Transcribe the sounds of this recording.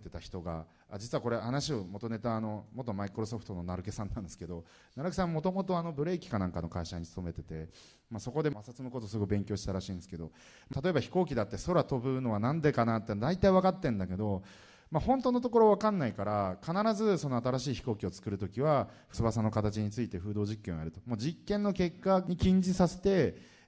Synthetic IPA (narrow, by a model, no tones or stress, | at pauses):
t̪et̪açi̥t̪o̞ɡa̰ | ad͡ʑit͡sɨβako̞ɾe̞hanaɕio̞mo̞t̪o̞ne̞t̪aːno̞mot̪ːo̞maikɯ̟ɾo̞so̞ɸɯ̥t̪ono̞naɾɯ̟kesãnːãnd̪esɨ̥ke̞d̪o̞ | naɾɯ̟ke̥sãmmːo̞t̪o̞mo̞t̪̬o̞ano̞bɯ̟ɾe̞ːkʲi̥kanãŋkano̞kaiɕaɲ̟isɨ̥t̪o̞me̞t̪e̞t̪e̞ | maso̞ko̞d̪e̞asat͡sɨnoko̞t̪osɨɡo̞ibeŋkʲo̞ːɕi̥t̪aɾaɕĩːnd̪esɨ̥ke̞d̪o̞ | mat̪at̪o̞e̞baçi̥ko̞ːkʲid̪at̪ːe̞so̞ɾat̪o̞bɯ̟no̞β̞anãnd̪e̞kanat̪ːed̪ait̪aiβakat̪ːẽ̞nd̪ake̞d̪o̞ | mahõ̞nt̪oːnot̪oko̞ɾo̞β̞akãnːaikaɾakanaɾazɨso̞no̞at̪aɾaɕiːçi̥ko̞ːkʲio̞t͡sɨ̥kɯ̟ɾɯ̟t̪o̞kʲiβaɸsɨβasanːokat̪at͡ɕiɲ̟it͡sɨit̪e̞ɸɯ̟ːd̪o̞ːʑikːẽojaɾɯ̟t̪o̞̥moːd͡ʑikːẽ̞nːo̞ke̞kːaɲ̟ikʲĩɲ̟d͡ʑisase̞̥t̪e̞